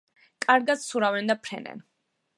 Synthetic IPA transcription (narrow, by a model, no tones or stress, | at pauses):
kʼaɾɡat̪suɾavɛnd̪apʰɾɛ̰nɛ̰n